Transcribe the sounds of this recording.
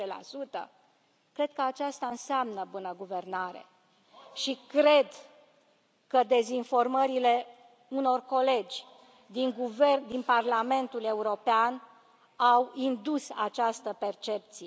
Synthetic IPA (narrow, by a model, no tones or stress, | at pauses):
ela̰sut̪ə̰ | kɾe̞d̪̚kəat͡ʃast̪aɨnseamnəbunəɡuve̞rnaɾḛ | ʃikɾe̞d̪ | kəd̪e̞zinfo̞rməɾile̞ | uno̞rko̞le̞d͡ʒʲ | d̪iŋɡuved̪inparlame̞nt̪ule̞uɾo̞pean | awind̪usat͡ʃast̪əpe̞rt͡ʃe̞p̚t̪si